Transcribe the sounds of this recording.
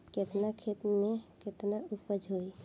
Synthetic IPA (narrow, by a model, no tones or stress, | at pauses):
ket̪nakʰet̪mẽket̪naʊpəd͡ʒʱɦoi